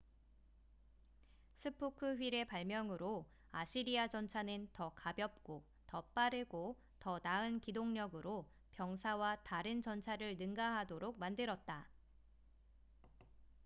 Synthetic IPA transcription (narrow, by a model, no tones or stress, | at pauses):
sʰɯpʰokʰɯɸɥiɾe̞paɭmjʌŋɯɾo | aɕʰiɾiad͡ʑʌnt͡ɕʰanɯntʌkabjʌp̚k͈o | tʌp͈aɾɯɡo | tʌnaɯnkidoŋɲʌɡɯɾo | pjʌŋsʰawataɾɯnt͡ɕʌnt͡ɕʰaɾɯɭnɯŋɡaɦadoɾok̚mandɯɾʌt̚t͈a